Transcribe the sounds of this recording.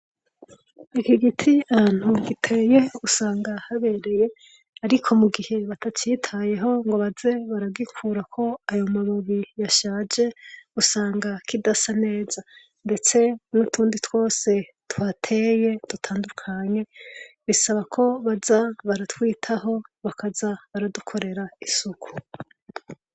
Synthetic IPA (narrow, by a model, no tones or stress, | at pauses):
ikiɡitʰian̥huɡitʰe̞ːje̞usaːŋɡahaβe̞ɾe̞je̞ | haɾikʰo̞muɡihe̞βatʰat͡ʃitʰaje̞ɦo̞ŋɡo̞βaze̞βaɾaɡikʰuːɾakʰo̞ajo̞maβuβijaʃaːd͡ʒe̞usaːŋɡakʰidasane̞ːz̥a | nde̞t͡se̞nutʰuːnditʰwo̞ːse̞ | twatʰe̞je̞d̥utʰaːndukʰaɲe̞βisaβakʰo̞βazaβaɾatwiːtʰaɦo̞βakazaβaɾadukʰo̞ɾe̞ɾaisukʰu̥